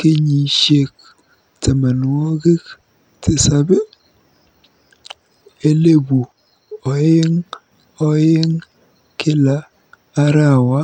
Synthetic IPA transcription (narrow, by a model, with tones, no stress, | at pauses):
ke˦ɲi˨ʃe˦k̚ | te˨ma˨n˨wo˦ɡe˦k | te˨sa˦be˦ | e˦le˦bu˨ | ɔ˨je˦ŋ | ɔ˦jɪ˦ŋ | kɪ˦laː˨˦ | ɾa˦˨wa˦